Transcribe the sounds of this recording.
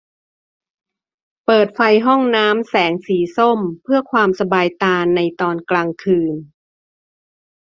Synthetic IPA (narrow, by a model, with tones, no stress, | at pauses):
pɤː˨˩t̪̚fa˧jɦɔ˥˩ŋnaː˦˥msɛː˩˦ŋsiː˩˦so˥˩mpʰɯ˥˩ɐkʰwaː˧msa˧baː˧jt̪aː˧nːa˧jt̪ɔː˧nklaː˧ŋkʰɯː˧n